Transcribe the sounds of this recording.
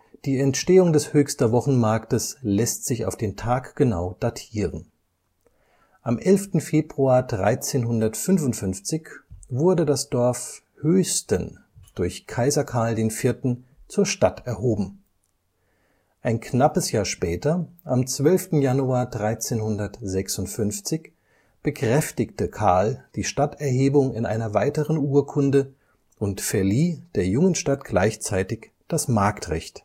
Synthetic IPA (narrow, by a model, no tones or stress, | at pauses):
d̥iːɛntʃteːʊŋdɛshøːçstɐvɔχn̩maɐktəslɛstz̥ɪça̰ʊfd̥eːntʰaːkɡ̥əna̰ʊd̥atʰiːʁən | ʔamʔɛlftn̩feːbʁuaːɐdʁaɪt͡seːnɦʊndɐtfʏnvʊntfʏnft͡sɪçvʊɐdədasd̥ɔɐf | høːstən | d̥ʊɐçkʰaɪzɐkʰaɐldeːnfɪɐtn̩t͡suːɐʃtatɛɐɦoːbm̩ | ʔaɪnknapəsjaːɐʃpɛːtɐʔamt͡sv̥œlftn̩januaːɐdʁaɪt͡seːnhʊndɐtzɛksʊntfʏnft͡sɪç | b̥əkʁ̥ɛftɪçtəkʰaɐld̥iːʃtatɛɐɦeːbʊŋɪnʔa̰ɪnɐvaɪtəʁənuːɐkʰʊndə | ʔʊntfɛɐliːd̥eːɐjʊŋənʃtatɡ̥laɪçt͡saɪtɪç | d̥asmaɐktʁɛ̰çt